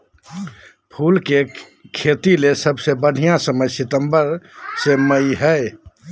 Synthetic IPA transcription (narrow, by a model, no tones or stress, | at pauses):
pʰulke | kʰet̪ilesəbsebəɽ̤ijãsəməjsit̪əmbəɾseməjɦə